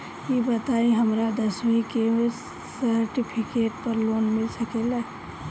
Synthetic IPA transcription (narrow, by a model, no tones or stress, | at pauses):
jibət̪aːĩɦəmɾad̪əswĩke | səɾʈipʰɪkeːʈ̚pəɾloːnmɪlsəkela